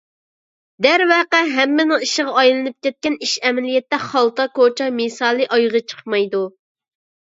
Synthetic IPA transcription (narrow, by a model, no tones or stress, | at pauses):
d̪æɾwɛqæɦɛmːɪnɪŋiʃəʁɑɑjlˠɨnɨp̚kʲɛt̪̚kʲɛniʃɛmɛlijɛt̪ːɛχɑlˠt̪ɑkot͡ʃʰɑmesɑːlˠɨʔɑjʁɑt͡ʃʰə̥χmɑjd̪u